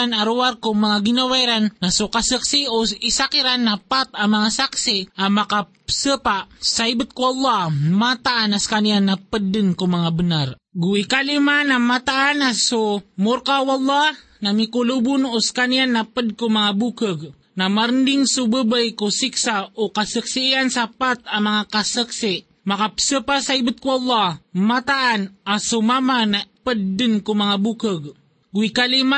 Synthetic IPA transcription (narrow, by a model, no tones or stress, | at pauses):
anaɾuwarkumaŋaɡinawajɾanːasukasəksioisakiɾanːapat̪̚amaŋasaksiamaka | səpaʔsajbət̪̚kuɑlˠˤːɑmat̪aʔanaskanijanːapədːənkumaŋabənarɡuikalimanamat̪aʔːnasumʊɾkawalˠˤːɑh | namikulubʊnʊskanianːapəd̚kumaŋabukəɡ̚ | namaɾəndɪŋsubəbajkusiksaokasəksiiansapat̪̚amaŋakasəksiʔ | makapə̥səpasaibət̪̚kuɑlːɑhmat̪aʔːnasumamanapədːənkumaŋabukəɡ | ɡuikalima